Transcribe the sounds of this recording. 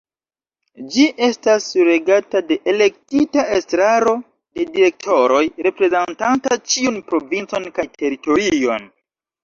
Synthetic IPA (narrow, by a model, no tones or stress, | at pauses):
d͡ʒiʔe̞stasɾe̞ɡatade̞ʔele̞k̚titaestɾaɾo̞ | de̞diɾe̞k̚tʰo̞ɾo̞jɾe̞pɾe̞zentantat͡ʃiunpɾo̞vint͡so̞nkajtʰe̞ɾito̞ɾio̞̰n